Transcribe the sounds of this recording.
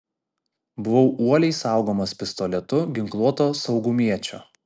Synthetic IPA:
bʊʋɒʊuɔlʲɛɪsɑˑʊɡoːmɐspʲɪst̪ɔlʲɛt̪ʊɡʲɪŋklˠuɔt̪oːsɒʊɡʊmʲiɛt͡ʃʲo̰ː

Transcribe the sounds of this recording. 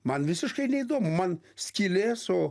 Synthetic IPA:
manvisɨʃkajnʲejd̪omoman | skʲileso

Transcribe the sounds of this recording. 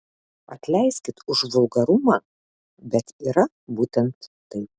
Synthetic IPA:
ɐ̰t̪ʲlʲɛɪsʲkʲɪt̪ʊʒʋʊlˠɡɐɾʊmɑː | bʲɛt̪iːɾɐ | buːt̪ʲɛnt̪ːɐɪp

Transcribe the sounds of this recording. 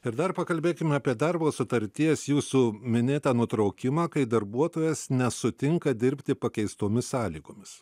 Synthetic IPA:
ɪɾd̪ɐrpɐkɐlʲbʲeːkʲɪmʲɐːpʲiɛd̪ɐrboːsʊt̪ɐɾʲt̪ʲiɛsjuːsuːmʲɪnʲeːt̪ɐːnʊt̪ɾɐʊkʲɪmɑːkɐɪd̪ɐɾbuɔt̪oːjɛsnʲɛsʊt̪ʲɪŋkɐd̪ʲɪɾʲpʲt̪ʲɪpɐkʲɛɪst̪oːmʲɪsɑːlʲiːɡoːmʲɪs

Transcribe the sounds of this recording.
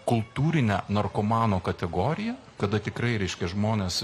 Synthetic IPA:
kʊlˠt̪uːɾʲɪnʲænɐrkoːmɑːnoːkɐt̪ʲɛɡoːɾʲɪjɛ | kɐd̪ɐt̪ʲɪkɾɐɪɾʲɛɪʃʲkʲɛʒmoːnʲeːs

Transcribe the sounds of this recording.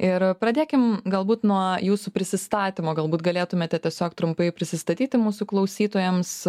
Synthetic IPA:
ɪɾpɾɐd̪ʲeːkʲɪmɡɐlˠbuːt̪nuɔjuːsupʲɾʲɪsʲɪst̪ɑːt̪ʲimoːɡɐlˠbuːt̪ɡɐlʲeːt̪ʊmʲeːt̪ʲɛtʲiɛsʲoːkt̪ɾʊmpɐɪpʲɾʲɪsʲɪst̪ɐt̪ʲiːt̪ʲɪmuːsuklˠɐʊsʲiːt̪oːjɛms

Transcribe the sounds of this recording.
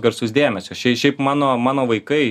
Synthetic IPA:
ɡɐɾsʊsd̪ʲeːmʲɛsʲʊʃʲɛɪʃʲɛɪpmɑːnoːmɑːnoːʋɐɪkɐɪ

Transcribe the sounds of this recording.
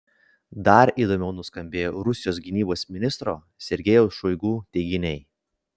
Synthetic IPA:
d̪ɐɾiːd̪oːmʲɛʊnʊskɐmʲbʲeːjoːɾʊsʲɪjoːs̬ɡʲɪnʲiːboːsmʲɪnʲɪst̪ɾoː | sʲɛɾʲɡʲɛjɛʊsʃɔɪɡuːt̪ʲɛɪɡʲɪnʲɛɪ

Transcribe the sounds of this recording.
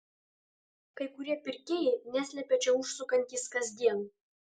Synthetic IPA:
kɐjkuɾʲɛpʲɪrʲkʲejenʲæsʲlʲɛpʲɛt͡ʃɛuʃsukɐnʲkʲiskɐzʲd̪ʲen

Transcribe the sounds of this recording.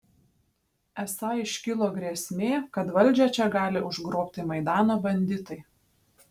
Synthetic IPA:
ɛsɑːɪʃʲkʲɪlˠoːɡɾʲeɛsʲmʲeːkɐt̪ʋɐlʲˑd͡ʒʲɛt͡ʃʲɛɡɑːlʲɪʊʒɡɾoːpʲt̪ʲɪmɐɪd̪ɑːnoːbɐnʲd̪ʲɪt̪ɐɪ

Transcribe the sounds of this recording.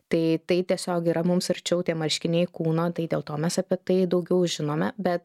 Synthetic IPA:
t̪ɐɪt̪ɐɪt̪ʲiɛsʲoːkiːɾɐmʊmsɪɾʲt͡ʃʲɛʊt̪ʲiɛmɐlʲʃʲkʲɪnʲɛɪkuːnoːt̪ɐɪd̪ʲeːlˠt̪oːmʲɛsɐpʲiɛt̪ɐɪd̪ɐʊɡʲɛʊʒʲɪnoːmʲɛbʲɛt̪

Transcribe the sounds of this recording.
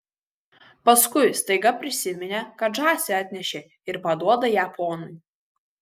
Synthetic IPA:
pɐskʊɪst̪ɐɪɡɐpʲɾʲɪsʲɪmʲɪnʲekɐʒɑːsʲeɑːt̪ʲnʲɛʃʲeː | ɪɾpɐd̪uɔd̪ɐjæːpoːnʊj

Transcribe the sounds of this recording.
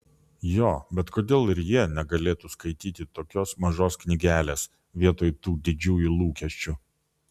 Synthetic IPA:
joːbʲɛt̪koːd̪ʲeːlˠɪɾjiɛnʲɛɡɐlʲeːt̪uskɐɪt̪ʲiːt̪ʲɪt̪oːkʲoːsmɐʒoːsknʲɪɡʲæːlʲeːs | ʋʲiɛt̪oːjt̪uːd̪ʲɪd͡ʒʲuːjulˠuːkʲɛʃʲt͡ʃʲʊ

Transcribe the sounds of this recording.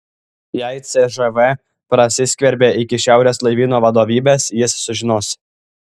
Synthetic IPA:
jɛɪt̪sʲɛʒɛʋɛ | pɾɐsʲɪsʲkʲʋʲɛɾʲbʲeːʔɪkʲɪʃʲæˑʊɾʲeːslˠɐɪʋʲiːnoːʋɐd̪oːʋʲiːbʲeːsjɪsːʊʒʲɪnoːs

